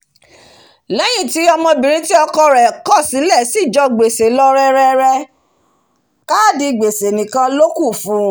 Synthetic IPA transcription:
lɛ˦j̃ĩ˦˨ti˨˦ɔ˧mɔ̃˧bĩ˨ɾ̃ĩ˦ti˦ɔ˧kɔ˧ɾɛ˨kɔ˦˨sĩ˨˦lɛ˦˨si˦˨d͡ʒɔ˧ɡ͡be˨se˨lɔ˧ɾɛ˧ɾɛ˧ɾɛ˧ | ka˦˨di˧ɡ͡be˨se˨nĩ˨kã˧lo˦ku˦˨fũ˨˦

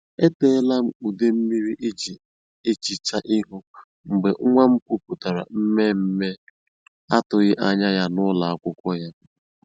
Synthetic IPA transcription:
e˦te˦˨˦la˦m̩˦u˨de˦m̩˦mi˦ɾi˦ʔe˦d͡ʒi˨ | e˦t͡ʃi˨t͡ʃa˦ʔɪ˦ɦʊ˦ | ŋ͡m̩˨ɡ͡be˨ŋ̩˦ŋʷa˦ŋ͡m̩˦kʷu˦pu˨ta˨ɾa̰˨m̩˦me˦m̩˦me˦ | a˦tʊ˨ɣɪ˦ʔa˦ɲa˦ja˦nʊ˦la˨a˦˨kʷʊ˦kʷɔ˦ja˦

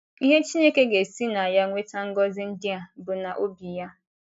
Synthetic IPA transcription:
i˦ɦe˦t͡ʃi˦ɲe˦ke˦ɡe˨si˦na˨a˨ja˦ŋʷe˦ta˦ŋ̩˦ɡɔ˦zɪ˦n̩˦dɪ˦a˨bʊ˨na˨ʔo˦bi˨ja˦

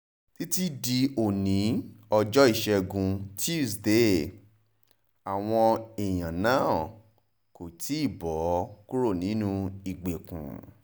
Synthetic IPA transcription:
ti˦ti˦di˧o˨nĩ˨˦ɔ˧d͡ʒɔ˦i˦˨ʃɛ˧ɡũ˧ti˦˨sde˦˨ | a˨w̃ɔ̃˧e˨j̃ã˨nãː˦˨ | ko˨ti˦i˦˨bɔ˨˦ku˦ɾo˦˨nĩ˨˦nũ˦˧i˨ɡ͡be˨kṵ̃˨

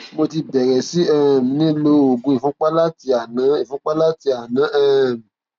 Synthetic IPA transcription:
mo˧ti˧bɛ˨ɾɛ˨si˨˦ɛ˦˨m̩˨nĩ˦lo˧˦o˨ɡũ˨˦i˨fũ˦k͡pa˦la˦ti˧a˨nã˨˦ĩ˨fũ˦k͡pa˦la˦ti˧a˨nã˨˦ʔɛː˦˨m̩̃˨

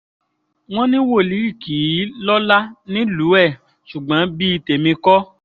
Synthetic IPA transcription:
w̃ɔ̃˦nĩ˦wo˦˨li˨˦ɾi˦˨ki˨˦lɔ˦la˦nĩ˦lu˨˦ɛ˦˨ | ʃu˨ɡ͡bã˨˦bi˦i˧te˨mĩ˧kɔ˦

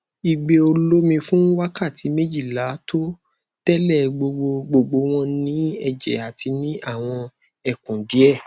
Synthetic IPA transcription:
i˨ɡ͡be˧o˧lo˦mĩ˧fũ˦wa˦ka˦˨ti˨˧˦mẽ˦d͡ʒi˦˨la˨˦to˦ | tɛ˦lɛ˦˨ɡ͡bo˧ɡ͡bo˧ɡ͡bo˧ɡ͡bo˧w̃ɔ̃˦nĩ˨˦ɛ˦˧d͡ʒɛ̰˨a˨ti˧nĩ˦ʔa˦˨w̃ɔ̃˧ | ɛ˨kũ˨di˨˦ɛ˦˨

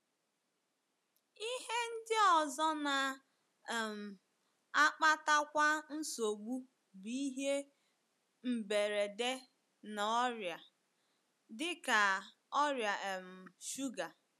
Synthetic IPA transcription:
i˦ɦe˦n̩˦dɪ˦ɔ˨zɔ˦na˨ | m̩˨ | a˦k͡pa˦ta˦kʷa˦n̩˦so˨ɡ͡bu˦ | bi˦ɦe˦ | m̩˨be˨ɾe˨de˦ | na˨ɔ˦ɾja˨ | dɪ˦ka˨ | ɔ˦ɾja˨m̩˨ʃu˦ɡa˨

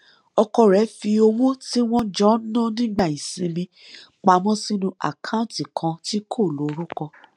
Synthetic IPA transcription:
ɔ˧kɔ˧ɾɛ˨˦fi˧o˧wõ˦ti˦w̃ɔ̃˦d͡ʒɔ̃˦nɔ̃˦nĩ˦ɡ͡ba˦˨ĩ˨sĩ˧mĩ˧ | k͡pa˨˦mɔ̃˦sĩ˦nũ˧ʔa̰˨kʰã˦ũ˦˨ti˨kʰã˧ti˦kʰo˦˨lo˨˦ɾũ˦kɔ˧

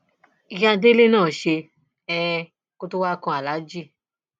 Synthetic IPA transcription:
i˧ja˧de˦le˦nãː˦˨ʃe˧ | ɛ˧ | ko˦to˦wa˦˧kɔ̃˧a˨la˨˦d͡ʒi˦˨

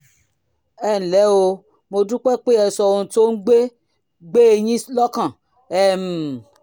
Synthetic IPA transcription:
ɛ˦˨n̩˨lɛ˨˦o˧ | mo˧dũ˦k͡pɛ˦˨k͡pe˦ɛ˧sɔ˧ũ˧to˦n̩˦ɡ͡be˦ | ɡ͡be˦e˧jĩ˦slɔ˦kã˦˨ | ɛ˦˨m̩˨

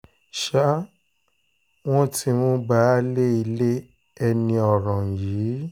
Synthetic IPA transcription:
ʃa˦ | w̃ɔ̃˦ti˧wɔ̃˦ɡ͡ba˦le˦i˧le˦ | ɛ˧nĩ˧ɔ˨ɾã˨ji˨˦

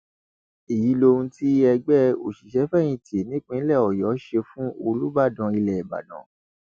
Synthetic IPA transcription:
i˨ji˨˦lo˧ũ˧ti˦ɛ˧ɡ͡bɛ˦o̰˨ʃi˨ʃɛ˨˦fɛ˦˨j̃ĩ˧˨te˨nĩ˦k͡pĩ˦lɛ˦˨ɔ˨jɔ˨˦ʃe˧fũ˦o˧lu˦ba˦˨dã˧˨i˧lɛ˨ɛ˨ba̰˨dã̰˨˦

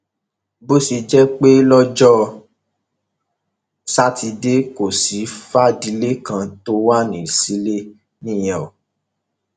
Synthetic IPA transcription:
bo˦si˧d͡ʒɛ˦k͡pe˦lɔ˦d͡ʒɔ˦ | sa˦ti˧de˦ko˨si˨˦fa˦˨di˧˦le˦kã˧to˦wa˦nĩ˨si˨˦le˦ | nĩ˦˨jɔ˨

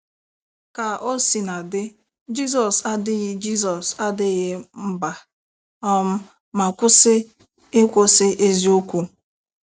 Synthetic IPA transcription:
ka˨o˦si˨na˨dɪ˦ | d͡ʒi˦sɔ˨sa˦dɪ˦ɣɪ˦d͡ʒi˦s̬ɔ˨sa˦dɪ˦ɣɪ˦m̩˦ba˦ | ɔ˦m̩˦ | ma˨kʷʊ˦sɪ˦ | e˦kʷo˦sɪ˦ʔe˦zi˦o˦kʷu˦

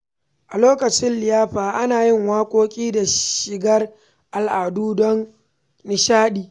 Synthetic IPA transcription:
ʔa˨loː˦kɐ˨t͡ʃɪ˦nlɪ˨jaː˦ɸaː˨ʔa˦naː˨jɪ˦ŋwaː˦kʷʼoː˦kʲʼiː˦da˨ʃɪ˨ɡɐ˦r | ʔa˨lʔaː˨duː˦dɔ˦n | nɪ˨ʃaː˦ɗiː˨

